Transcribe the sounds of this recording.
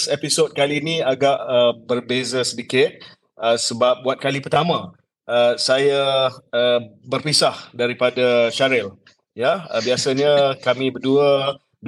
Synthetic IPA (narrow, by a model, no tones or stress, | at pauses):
sɛpisot̪̚kalinĩaɡaʔəbərbezasədikɪt̪̚ | əsəbap̚buat̪̚kalipərt̪amã | əsajaː | bərpisahdaɾipadaʃaɾɪl | jaəbiasaɲakamĩbərduə | d